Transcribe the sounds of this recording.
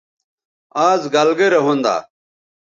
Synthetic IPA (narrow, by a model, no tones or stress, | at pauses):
aːzɡɐlɡeɾeɦũnd̪a̰ː